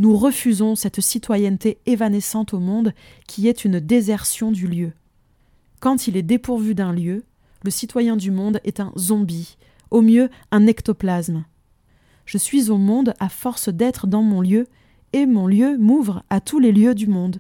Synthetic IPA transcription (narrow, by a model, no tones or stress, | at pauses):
nuʁəfyzɔ̃sɛt̪sit̪wajɛnt̪eevanesɑ̃t̪omɔ̃d̪ | kʲʰiɛt̪ynd̪ezɛʁsjɔ̃d̪yljø | kɑ̃t̪ilɛd̪epuʁvyd̪ɛ̃ljø | ləsit̪wajɛ̃d̪ymɔ̃d̪ɛt̪ɛ̰̃zɔ̃bi | omjø | ɛ̃nɛkt̪ɔplasm | ʒ̥əsɥizomɔ̃d̪afɔʁsd̪ɛt̪χəd̪ɑ̃mɔ̃ljø | emɔ̃ljømuvʁat̪uleljød̪ymɔ̃d̪